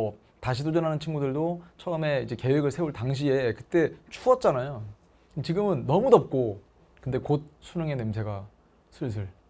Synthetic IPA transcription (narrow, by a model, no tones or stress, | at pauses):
taɕʰitod͡ʑʌnɦanɯnt͡ɕʰinɡudɯɭdot͡ɕʰʌɯme̞id͡ʑe̞ke̞we̞ɡɯɭsʰe̞uɭtaŋɕ̬ʰiekɯ̥t͈e̞t͡ɕʰuʌt̚t͡ɕ͈anajo | t͡ɕiɡɯmɯnːʌmudʌp̚k͈o | kɯnde̞kot̚s͈ʰuɲjʌŋe̞nemsʰe̞ɡa | sʰɯɭs̬ʰɯɭ